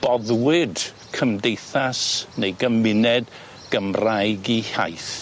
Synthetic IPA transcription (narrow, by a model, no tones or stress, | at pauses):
b̥ɔðwɪd | kʰəmdejθasnejɡəmɪnɛd | ɡ̥əmrajɡiha̰jθ